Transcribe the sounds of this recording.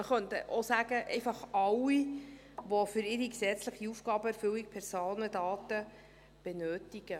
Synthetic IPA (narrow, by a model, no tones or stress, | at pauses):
əχœntəʔosæɡ̥əʔɛ̰ɪfɑχɑwi | ʋɔfʏɾɪɾiksɛt͡sləχiufɡ̥ɑːbəɛɾfʏlik̚pʰɛrsoːnədɑːtə | b̥ɛnøːtiɡ̥ə